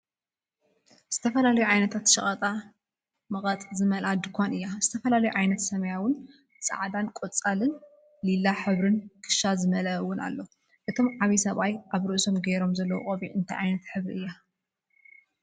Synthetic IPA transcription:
z̥ɨt̪ʰɐfɐlalɐjuʕajnɐt̪ʰat̪ʃɐχʼɐt̪ʼa | mɐɣʼɐt̪ʼzɨmɐlʔad̪ɨkʷʰanɨjːazɨt̪ʰɐfɐlalɐjuʕajnɐt̪sɐmɐjawʊn | sʼɐ̰ʕd̪ankʼot͡sʼalɨn | lilːaħɨβɾɨnkʰɨ̥ʃazɨmɐlɐwʊna̰lːo̞ | ʔɨt̪ʰo̞mʕaβisɐβajʔaβɾɨʔso̞mɡeɾo̞mzɐlːɐw̰χʼoβiʔɨnt̪ʰajʕajnɐt̪ħɨβɾiɨjːa

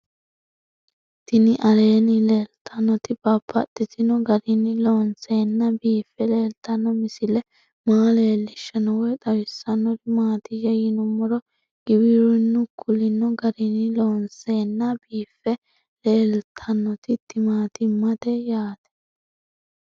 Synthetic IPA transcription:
t̪ɪnɪʔɐle̞ːnɪle̞ːlt̪ʰɐnːɔt̪ɪbɐpʰːɐ̰t̪ːɪt̪ɪnɔɡɐɾɪnːɪloːnse̞ːnːɐbiːfːɛle̞ːlt̪ɐnːɔmɪsɪlɛ | maːle̞ːlːɪʃːɐnɔwɛt̪ʼɐwɪsːɐnːɔɾɪmaːt̪ɪjɐjɪnʊmɔɾɔ | ɡ̥ɪbɪɾʊnːʊkʰʊlɪnːɔɡɐɾɪnɪloːnse̞ːnːɐbiːfːɛ | le̞ːlt̪ʰɐnːɔt̪ɪt̪ːɪmaːt̪ɪmːɐd̪ɛjaːt̪ɛ̥

